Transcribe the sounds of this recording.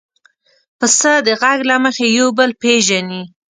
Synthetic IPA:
pəsəd̪əɣaɡlaməxejawbəlpeʒani

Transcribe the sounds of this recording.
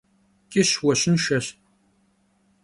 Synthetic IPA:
kʲʼɪɕwɐɕɪnʃɐɕ

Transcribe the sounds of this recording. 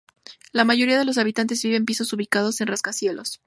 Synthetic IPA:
lamaʝo̞ɾiaðe̞lo̞s̬aβit̪ant̪ezβiβe̞mpiso̞suβikað̞o̞se̞nraskasje̞lʔo̞s

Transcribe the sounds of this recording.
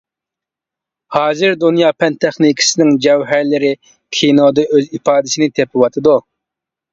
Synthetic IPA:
hɑːzɨɾd̪unjɑːpʰɛnt̪ʰɛχnikʲʰi̥sɪnɪŋd͡ʒɛwɦæɾlɪɾɪ | kʲʰinod̪ɨʔøzipɑːd̪ɪsinɪt̪ʰepʰɪwɑt̪ʰɨd̪u

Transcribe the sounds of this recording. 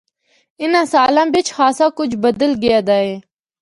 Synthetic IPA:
ɪnãsaːlãːbɪt͡ʃʰxaːsãkʊt͡ʃʰbəd̪əlɡijad̪aːe

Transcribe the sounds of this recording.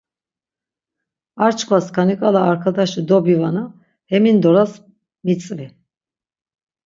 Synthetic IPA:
aɾt͡ʃʰkʰvaskʰanikʼalaːɾkʰad̪aʃid̪ɔbivana | hɛmind̪ɔɾas | mit͡sʼvi

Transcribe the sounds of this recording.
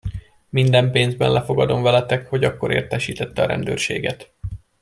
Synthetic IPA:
mind̪ɛmpeːnzbɛ̰nlʔɛfo̞ɡɒd̪o̞mvɛlɛt̪ɛkho̞ɟɒkːo̞ɾḛːrt̪ɛʃiːt̪ɛt̪ːɛɒɾɛ̰nd̪ø̰ːrʃḛːɡɛt̪

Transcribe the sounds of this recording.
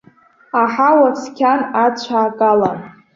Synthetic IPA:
aħawaskʲʰanat͡ɕʷʰaːkʼalan

